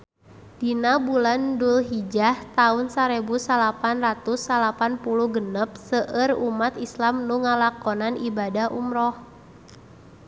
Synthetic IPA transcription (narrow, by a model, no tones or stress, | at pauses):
d̥inabulandulɦid͡ʒaht̪aʊnsaɾebusalapanrat̪usːalapanpuluhɡənəp̚səʔərumat̪islamnuŋalakɔnanibadahʔṵmɾɔh